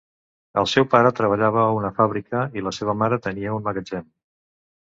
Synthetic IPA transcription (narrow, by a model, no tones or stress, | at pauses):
ə̰lˠsɛwpaɾət̪ɾəβ̞əʎaβ̞əunəfaβɾikəiləseβəmaɾət̪əniəunməɣəd͡ʒɛm